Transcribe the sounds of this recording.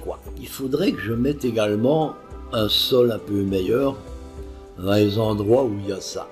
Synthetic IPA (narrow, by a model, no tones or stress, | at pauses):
kwa̰ilfod̪ʁɛkəʒəmɛt̪eɡalmɑ̃ | ɛ̃sɔlɛ̃pømɛjœʁ | ãlezɑ̃d̪ʁwauiljasa̰